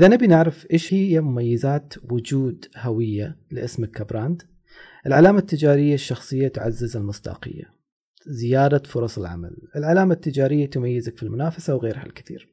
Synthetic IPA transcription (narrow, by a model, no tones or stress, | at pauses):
ʔɪðanabinɪʕɾɪfʔeːʃhɪjːamʊmajːɪzaːt̪wʊd͡ʒuːd̪hawɪjːalɪʔɪsmɪkːabɾˤaːnd̪ | ʔɪlʕalaːmat̪ːɪd͡ʒaːɾɪjːaʃːɑxsˤɨjːat̪ʊʕazːɪzɪlmʊsˤd̪ɑ̰ːqɨ̰jːa̰ | zɪjaːd̪afʊɾˤɑsˤɪlʕa̰ma̰lɪlʕalaːmat̪ːɪd͡ʒaːɾɪjːat̪ʊmajːɪzakfilmʊnaːfasawɣeːɾha̰lkɪθḭːɾ